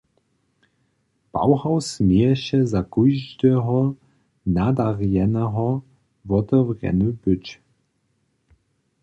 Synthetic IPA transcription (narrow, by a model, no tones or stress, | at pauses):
pa̰wɦawsmejɛɕɛzakujʒd̪ɛɦɔ | nad̪aʁjɛnɛɦɔ | vɔt̪ɛwʁɛ̰nubʏt͡ʃ